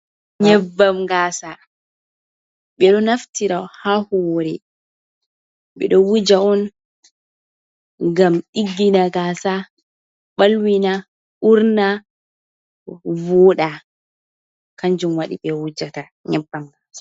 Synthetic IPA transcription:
ɲɛbːamɡaːsa | ɓɛɗɔnaftiɾahahɔɾɛ | ɓɛ̰ɗɔwud͡ʒaɔn | ɡamɗiɡːinaɡaːsa | ɓalwina | ʔuɾna | vɔɗa | kaɲd͡ʒumwaɗḭɓɛwud͡ʒata | ɲɛbːamɡaːsḁ

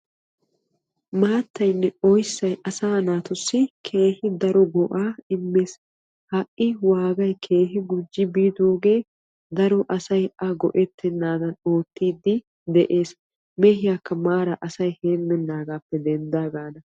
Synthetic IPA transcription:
maːt̪ʰːɐjnːɛɔjsːɐjʔɐsaːnaːt̪ʊsːɪkʰe̞ːhɪd̪ɐɾɔɡɔʔaːɪmːe̞ːs | hɐʔːɪwaːɡɐjkʰe̞ːɦɪɡʊd͡ʒːɪbiːd̪o̞ːɡe̞ː | d̪ɐɾɔʔɐsɐjʔɐɡɔ̰ʔɛt̪ːɛnːaːd̪ɐnoːt̪ːiːd̪ːɪ | d̪ɛʔe̞ːs | mɛhɪjaːkːɐmaːɾɐʔɐsɐjheːmːɛnːaːɡaːpːɛd̪ɛnd̪aːɡaːnɐ

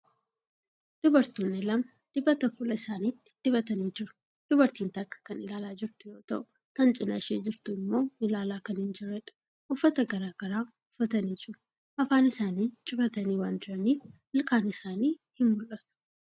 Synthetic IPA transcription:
d̪̥ʊbɐɾt̪uːnːɪlɐmɐ | d̪̥ɪbɐt̪ɐfʊlɐɪsaːniːt̪ːɪ̥d̪̥ɪbɐt̪ɐniːd͡ʒɪɾʊ̥ | d̪̥ʊbɐɾt̪iːnt̪ɐkːɐ̥kɐnɪlaːlaːd͡ʒɪɾt̪ɪjoːt̪ɐʔʊ | kɐnt͡ʃʼɪnɐ̰ʃeːd͡ʒɪɾt̪ʊɪmːo̞ːɪlaːlaːkɐnhɪnd͡ʒɪrɛᶑɐ̥ | ʔʊfːɐt̪ɐɡɐɾaːɡ̥ɐɾaː | ʊfːɐt̪ɐniːd͡ʒɪɾ | ʔɐfaːnɪsaːniːt͡ʃʼɪfɐt̪ɐniːwaːnd͡ʒɪɾɐniːf | ɪlkaːnɪsaːniːhɪmbʊlʔɐt̪ʊ̥

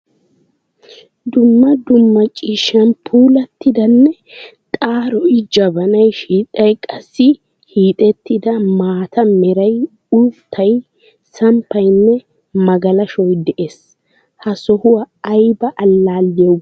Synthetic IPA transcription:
d̪ʊmːɐd̪ʊmːɐt͡ʃʼiːʃːɐnpʰuːlɐt̪ːɪd̪ɐnːɛt̪ʼaːɾɔjɪd͡ʒɐbɐnɐjʃiːt̪ʼɐjkʼɐsːɪ | hiːt̪ʼɛt̪ːɪd̪ɐmaːt̪ʰɐmɛɾɐj | ʊt̪ʰːɐj | sɐmpʰːɐjnːɛ | mɐɡɐlɐʃɔjd̪ɛʔes | hɐsɔhʊwɐːjbɐʔːlːaːlːɪɛw

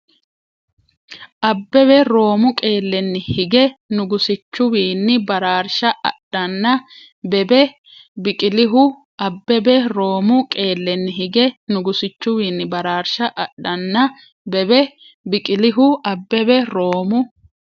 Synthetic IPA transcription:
ʔɐbːɛbɛɾo̞ːmʊkʼe̞ːlːɛnːɪhɪɡɛnʊɡʊsɪt͡ʃːʊwiːnːɪbɐɾaːɾʃɐʔɐ̰ɗːɐnːɐ | bɛbɛ | bɪkʼɪlɪɦʊ | ɐbːɛbɛɾo̞ːmʊkʼe̞ːlːɛnːɪɦɪɡɛnʊɡʊsɪt͡ʃːʊwiːnːɪbɐɾaːɾʃɐʔɐɗːɐnːɐ | bɛbɛ | bɪkʼɪlɪɦʊɐbːɛbɛɾo̞ːmʊ

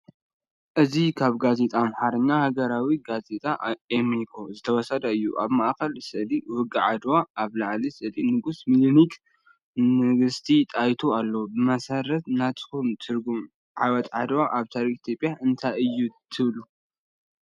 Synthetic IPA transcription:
ʔɨzikʰaβɡazet̪ʼamħaɾɨnːahaɡɐɾawiɡazet̪ʼaemekʰo̞zɨt̪ʰɐwɔsɐd̪ɐɨjːuʔa̰βmaʔkɐlsɨʔliwɨɡʼaʕad̪waaβlaʕlisʼɨlʼinɨɡusmilinikʼ | mɨɡɨst̪ʰit̪ʼajt̪ʰualːobɨmɐsɐɾɐt̪nat̪ʼɨ̥xumt̪ʰɨɾɡum | ʕa̰wɐt̪ʼʕad̪waʔaβt̪ʰaɾikʼit̪ʰjo̞pʼjaʔɨnt̪ʰajɨjːut̪ʰɨβlu

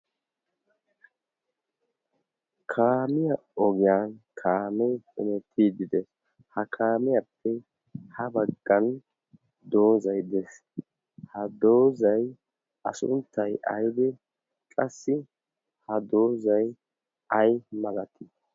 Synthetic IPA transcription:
kʰaːmɪjɐɔɡɪjankʰaːmɛjɪnɛt̪ʰːiːd̪ɪd̪ɛs | hɐkʰaːmɪjɐpʰːɛ | hɐbɐɡːɐn | d̪o̞ːzɐjd̪ɛs | hɐd̪oːzɐj | ɐsʊ̰nt̪ːɐjʔɐ̰jd̪ɛ | kʼɐsːɪ | hɐd̪oːzɐj | ɐjmɐlɐt̪ɪ

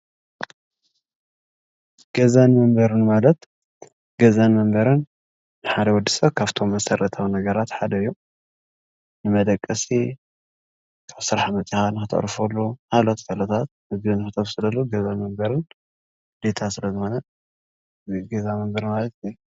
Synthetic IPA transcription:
ɡ̥ɐzanmɐmbɐɾɨnmalɐt̪ | ɡɐzanmɐmbɐɾɨnː | ɨħad̪ɐwɔd̪ːisɐβkʰaβt̪ʰo̞mːɐsɐɾʔɐt̪ʰawnɐɡɐɾat̪ħad̪ɐɨjːu | nɨmɐd̪ɐkʼːɐsi | kʰaβsɨɾħamɐt͡sʼixanɨxɨt̪ʰɐ̰ʔɾɨfɐlːuhalot̪kʰalɐt̪ʰat̪̚mɨɡɨnɨxɨt̪ʼɐβsɨlɐlːuɡɐzanmɐmbɐɾɨn | d̪̥et̪ʰasɨlɐzɨxo̞nɐ | ɡezamɐmbɐɾɨmalɐt̪

